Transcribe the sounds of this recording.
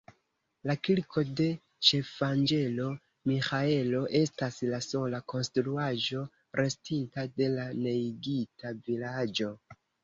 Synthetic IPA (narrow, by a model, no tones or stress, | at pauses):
lakiɾkʰo̞de̞ | t͡ʃe̞fand͡ʒe̞lo̞ | mixae̞lo̞ʔe̞staslaso̞lako̞nstɾuaʒo̞ | ɾe̞stintade̞lane̞iɡitavilad͡ʒo̞